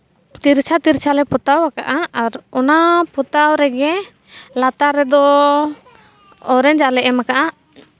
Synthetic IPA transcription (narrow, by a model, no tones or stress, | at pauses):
t̪iɾt͡ʃʰat̪iɾt͡ʃʰalɛpɔt̪awakaʔaaɾɔnapɔt̪awɾɛɡɛ | lat̪aɾɛd̪ɔ | ɔɾɛnd͡ʒalɛʔɛmakaʔaʔ